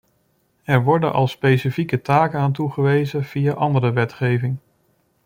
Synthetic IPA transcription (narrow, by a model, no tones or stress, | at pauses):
ɛɹʋɔɹdə̰nʔɑ̰lˠspejsifikətaːkənaːntuχəʋejzəv̥ijaʔɑndəɾəʋɛtχejvɪŋ